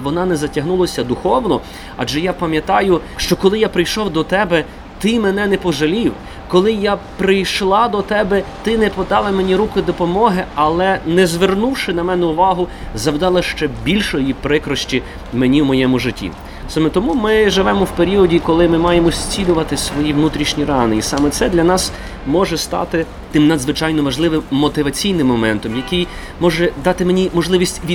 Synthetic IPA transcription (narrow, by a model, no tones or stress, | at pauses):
ʋɔnɑnɛzɐtʲɐɦnulˠɐsʲɐd̪ʊxɔwnɔ | ɐ̰d͡ʒɛjapɐmʲjɐt̪ɑjʊʃt͡ʃɔkɔlˠɪjapɾɪjʃɔwd̪ɔt̪ɛbɛ | t̪ɪmɛnɛnɛpɔʒɐlʲiw | kɔlˠɪjapɾɪjʃlˠɑd̪ɔt̪ɛbɛt̪ɪnɛpɔd̪ɑlˠɐmenʲiɾukɪd̪ɔpɔmɔɦɪɐlˠɛnɛzʋernuwʃɪnɐmɛnɛʊʋɑɦʊzɐwd̪ɑlˠɐʃt͡ʃɛbʲilʲʃɔjipɾɪkɾɔʃt͡ʃʲi | menʲiwmɔjɛmʊʒɪtʲːḭ | sɑmɛt̪ɔmumɪʒɪʋɛmɔwpeɾʲiɔdʲikɔlˠɪmɪmɑjemɔsʲt͡sʲilʲʊʋɐt̪ɪsʋɔjiwnut̪ɾʲiʃnʲiɾɑnɪisɑmɛt̪sɛd̪lʲɐnɑs | mɔʒɛst̪ɑ̰t̪ɪ | t̪ɪmnɐd̪zʋɪt͡ʃɑjnɔʋɐʒlˠɪʋɪmːɔt̪ɪʋɐt͡sʲijnɪmːɔmɛnt̪ɔmjɐkɪj | mɔʒɛd̪ɑt̪ɪmenʲimɔʒlˠɪʋʲisʲtʲʋʲi